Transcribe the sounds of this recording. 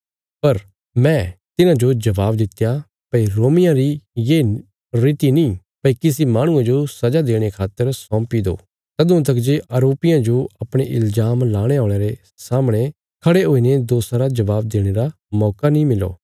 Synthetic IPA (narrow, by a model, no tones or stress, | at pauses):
pɐɾ | mɛ̃t̪ɪnãd͡ʒod͡ʒɐʋaːbd̪ɪt̪ːja | pɐiɾoːmɪjãɾijeː | ɾɪt̪inĩ | pɐikɪsimaːɽ̃ʊ̃ãd͡ʒosɐd͡ʒad̪eːɽ̃ekʰaːt̪əɾsɔ̃ːmpid̪o̰ː | sɐd̪ʊ̃t̪ɐkd͡ʒeʔɐɾoːpɪjãd͡ʒoɐpɽ̃eʔɪlzaːmlaːɽ̃eaːɽ̃eɾe | saːmɽ̃e | kʰɐɽeɦoːined̪oːsaɾad͡ʒɐʋaːb̚d̪eːɽ̃eɾa | mɔːkanĩmɪlo̰ː